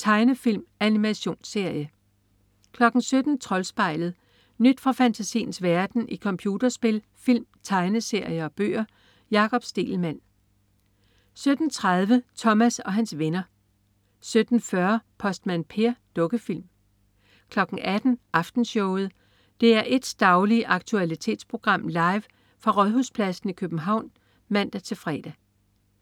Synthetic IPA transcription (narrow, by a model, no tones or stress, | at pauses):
t͡sʰɑ̈ɪnəfil̰mænimæɕo̝̰ːnse̝ɐ̰jə | kʰlɒ̽ɡ̥n̩sød̥n̩t͡sʰʁɒ̽lsb̥ɑ̈ɪ̰ləð̩ˠ | nyd̥fʁɑ̈fænt͡sʰæsḭːn̩sʋæɐd̥n̩ʔikʰɒ̽mpʰjuːd̥ɐsb̥e̝l | fil̰mt͡sʰɑ̈ɪnəse̝ɐ̰jəɒ̽b̥ø̰ːɐ | jɑ̈ːkʰɒ̽b̥sd̥e̝̰ːlmæn̰ | sød̥n̩t͡sʰʁaðˠʋət͡sʰɒ̽mæsɒ̽ɦænsʋe̝nɐ | sød̥n̩fɶɐpʰɒ̽sd̥mænpʰe̝ɐd̥ɔ̽ɡ̥əfil̰m | kʰlɒ̽ɡ̥n̩ʔæd̥n̩ʔɑ̈fd̥n̩ɕɔʊð̞̩ˠ | d̥e̝æɐʔe̝d̥sd̥ɑ̈ʊliʔɑ̈ɡ̥̚t͡sʰuælit͡sʰe̝̰ːd̥spʰʁo̝ɡ̥ʁɑ̈m̰lɑ̈ɪʋ | fʁɑ̈ʁɒðˠɦuspʰlæsn̩ikʰøb̥n̩ɦɑ̈ʊ̰n | mæn̰d̥æt͡sʰe̝fʁɛ̰ːd̥æ